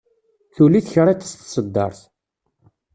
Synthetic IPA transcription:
θuliθçɾˤit̪ːə̥sθsəd̪ːɑ̰ɾˤθ

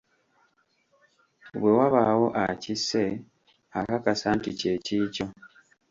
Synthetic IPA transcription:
βwewaβawo̞ʔa̰cise | akakasanticeciːco

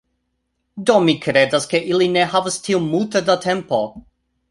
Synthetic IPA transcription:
domikɾedaskeʔilineɦavastʰiumultedatʰe̞mpo

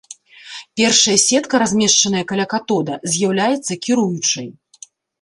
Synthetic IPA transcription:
pʲɛrʂɐjɐsʲɛt̪kɐɾazʲmʲɛʂt͡ʂɐnɐjɐkalʲakat̪ɔd̪ɐzʲjawlʲajɛt̪sːɐkʲiɾujut͡ʂɐj

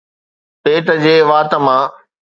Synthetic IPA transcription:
seːʈəd͡ʑeːʋaːt̪ə̆mãː

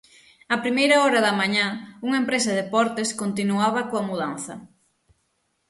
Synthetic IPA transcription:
ɐpɾimejɾaɔɾɐðɐmaɲauŋaempɾesɐðepɔɾt̪eskont̪inuaβɐkoamuðan̟θɐ̰

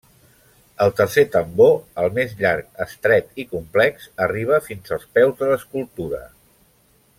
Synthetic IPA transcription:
əlˠt̪ərset̪əmboəlˠmezʎaɾkəst̪ɾɛt̪ikumplɛksəriβ̞əfinzəlˠspɛwzðələskulˠt̪uɾə̰

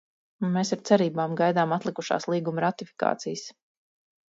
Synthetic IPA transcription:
meːsaɾt̪sɛɾiːbaːmɡajd̪aːmat̪lˠikuʃa̰ːslˠiːɡumɾat̪ifi̥ka̰ːt̪sijs

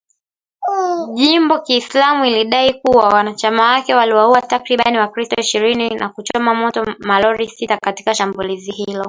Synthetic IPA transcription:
ʄimbɔkiːslamuiliɗaikuwawanat͡ʃamawakɛwaliwauatakɾiɓaniwakɾistɔiʃiɾininʔa̰kut͡ʃɔmamɔtɔmalɔɾisitakati̥kaʃambulizihilɔ

